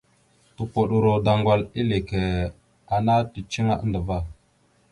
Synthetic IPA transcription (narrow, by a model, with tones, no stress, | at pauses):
tu˨po˨ɗu˨ɾo˨da˨ŋɡʷa˨li˦le˨ke˨ | a˨na˦ti˨t͡ʃi˦ŋa˦ʔə˦ndə˨va˦˨